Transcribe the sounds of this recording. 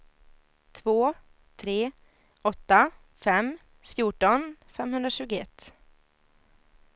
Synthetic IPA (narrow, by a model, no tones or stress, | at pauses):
t̪ʰvoː | t̪ʰɾeː | ɔt̪ːa | fɛmː | fjuːʈɔnfɛmhɵnd̪ɾaɕʉ̟ːɡʊɛt̪ː